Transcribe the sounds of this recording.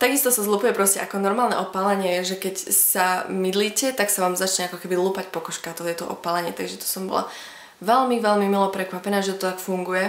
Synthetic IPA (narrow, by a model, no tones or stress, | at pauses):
t̪aɡist̪ɔsazluːpujɛpɾɔscɛʔakɔnɔɾmaːlˠnɛ̰ʔɔpaːlɛɲɪɛjɛʒɛkɛcsamid̪liːcɛt̪aksaʋaːmzat͡ʃɲɛakɔkɛbiluːpacpɔkɔʃkaat̪ɔɦjɛt̪ɔʔɔ̰paːlɛɲɪɛt̪aɡʒɛt̪ɔ̥sɔmbɔ̰la̰ | ʋɛlmiʋɛlmimilɔpɾɛkʋapɛnaːʒɛt̪ɔt̪ɔt̪akfuŋɡujɛ